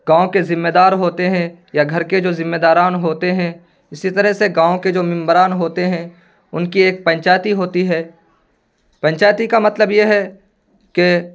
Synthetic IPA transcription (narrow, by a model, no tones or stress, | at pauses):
ɡãːõkezɪ̃mːeːd̪aːɾɦoːt̪eɦɛ̃ | jaɡʱɐɾked͡ʒoːzɪmːeːd̪aːɾaːnɦoːt̪eɦɛ̃ | ɪsit̪ɐɾəɦseɡãːõked͡ʒoːmɪ̃mbɾaːnɦoːt̪eɦɛ̃ | ʊnkieːk̚pɐ̃ɲt͡ʃaːjt̪iɦoːt̪iɦɛː | pɐ̃ɲt͡ʃaːjt̪ikamɐt̪ləbjeɦɛ | ke